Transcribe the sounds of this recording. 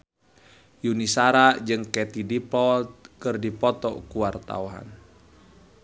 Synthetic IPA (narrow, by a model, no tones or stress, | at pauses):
junisaɾad͡ʒɨŋkɛt̪idipɔlt̪̚kɨrdipɔt̪ɔkuwart̪a̰uɦa̰n